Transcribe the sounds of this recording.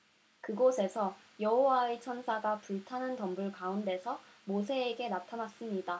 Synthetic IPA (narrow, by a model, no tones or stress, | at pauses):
kɯɡosʰe̞sʰʌ | jʌɦowaet͡ɕʰʌnsʰaɡapuɭtʰanɯntʌmbuɭkaunde̞sʰʌ | mos̬ʰe̞ːɡe̞natʰanas͈ɯmɲida